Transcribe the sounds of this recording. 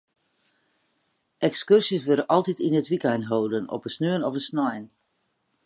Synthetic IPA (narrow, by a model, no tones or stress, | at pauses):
ʔɛkskørsjəsʋøɾəʔɑlˠtitinətʋikɛnɦowdənɔ̰pəsnøənɔvənsnɔjn